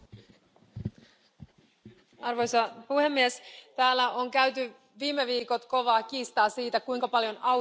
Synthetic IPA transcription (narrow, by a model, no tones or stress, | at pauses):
ɑrʋojsɑpuhe̞mːiest̪æːlːæoŋkæyt̪y | ʋiːmeʋiːko̞t̪ko̞ʋɑːk̟iːst̪ɑːsiːt̪ækujŋkɑpɑljo̞nɑ